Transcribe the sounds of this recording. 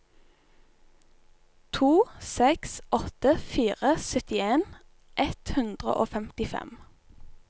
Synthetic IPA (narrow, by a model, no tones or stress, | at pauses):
t̪ʰuːsɛksʔɔt̪əfiːʁəsœt̪ɪeːn | ʔɛt̪hʉnd̪ʁə̰ʔoːfɛmt̪ɪfɛ̰m